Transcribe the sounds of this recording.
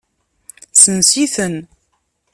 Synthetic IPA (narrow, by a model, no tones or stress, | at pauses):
sənsiθən